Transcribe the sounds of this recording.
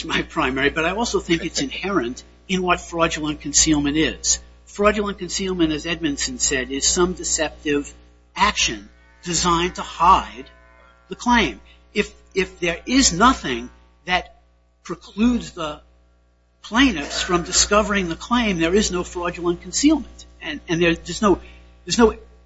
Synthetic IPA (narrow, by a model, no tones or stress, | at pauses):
smaɪpʰɹ̥ãɪ̃mɛɹibʌɾaɪɔlˠsoʊθɪ̃ŋkɨtsɨ̃nhɛɹɨ̃nt | ɨ̃nwʌtfɹɑd͡ʒɨl̩ˠə̃nkʰɨ̃n̩silˠmɨ̃ñɪz̥ | fɹɑd͡ʒl̩ˠə̃nkɨ̃nsilˠmɨ̃ñɨzɛd̚mɨ̃nsɨ̃n̩sɛɾɪz̥sʌ̃mdɨsɛp̚tɪv | ækʃɨ̃n | d̥ɨzãɪ̃ntʰəhaɪd̪̚ | ðɨkʰl̥ẽɪ̃m | ɪf | ɪfðə˞ʔɪznʌθɪ̃ŋ | ðɨt̚ | pʰɹ̥ɨkʰl̥ʉdzðə | pʰl̥ẽɪ̃nɨfsfɹʌ̃mdɨskʌvə˞ɪ̃ŋðɨkʰl̥ẽɪ̃mðə˞ɨznoʊfɹɑd͡ʒl̩ˠə̃nkʰn̩silˠmɨ̃ntɨ̃ɨ̃nðə˞ðə˞znoʊ | ðə˞znoʊ